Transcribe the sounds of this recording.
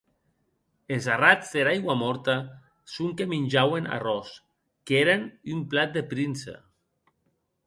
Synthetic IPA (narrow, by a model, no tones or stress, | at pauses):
ezarad͡zðeɾajɣwamɔɾt̪a | suŋkeminʲʒawena̰rɔs | keɾenymplat̪̚d̪epɾinsa̰